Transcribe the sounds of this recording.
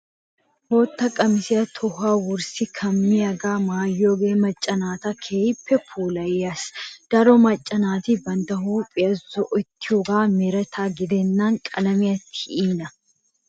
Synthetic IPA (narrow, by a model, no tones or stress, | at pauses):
hoːt̪ːɐkʼɐmɪsɪɐt̪ʰʊhaːwʊɾsɪkʰɐmːɪjɐɡaːmaːjːoːɡeːmɐt͡ʃʼːɐnaːt̪ɐkʰeːjpːɛkʰuːlɐjeːɐsd̪̥ɐɾɔmɐt͡ʃʼːɐnaːt̪ɪbɐnd̪ɐɦuːpʼɪɐzɔʔɔt̪ːɪhɔɡaːmɛɾɐt̪ʰaːɡɪd̪ɛnːaːnkʼɐlɐmɪjɐt̪ːɪiːnɐ